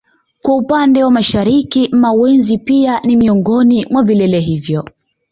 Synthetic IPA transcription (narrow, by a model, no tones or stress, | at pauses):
kwaupandɛwamaʃaɾikimawɛnzipianimiɔŋɡɔnimwavilɛlɛɦivjɔ